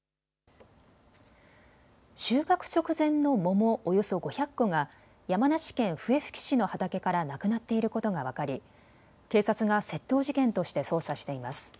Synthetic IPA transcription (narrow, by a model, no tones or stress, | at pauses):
ɕɨːkakɯ̟̥t͡ɕo̞kɯ̟zẽ̞nːo̞mo̞mo̞ʔojo̞so̞ɡo̞çakːo̞ŋa | jamanaɕi̥kẽ̞ɰ̃ɸɯ̟e̞ɸɯ̟̥kʲi̥ɕino̞hat̪ake̞kaɾanakɯ̟nat̪ːe̞iɾɯ̟ko̞t̪o̞ŋaβ̞akaɾʲi | ke̞ːsat͡sɨɡase̞t̪ːo̞ːʑikẽ̞nt̪o̞ɕi̥t̪e̞so̞ːsaɕi̥t̪e̞imasɨ̥